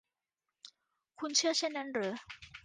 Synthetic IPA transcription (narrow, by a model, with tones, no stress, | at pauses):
kʰu˥nt͡ɕʰi˥ɕɛ˥na˧˥nɾə˨˦